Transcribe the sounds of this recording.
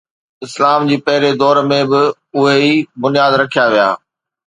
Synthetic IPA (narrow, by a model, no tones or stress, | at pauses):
ɪslaːmd͡ʑiːpɐɦɪɾed̪ɔːɾmẽbɪ | ʊɦeibʊnijaːd̪ɾɐkʰijaʋija̰ː